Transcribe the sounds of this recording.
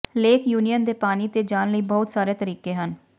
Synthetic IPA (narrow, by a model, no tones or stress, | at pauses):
leːkʰjuːnijənd̪eːpaːniːt̪eːd͡ʒaːnləiːbɔːʊt̪saːɾeːt̪əɾiːkeːɦən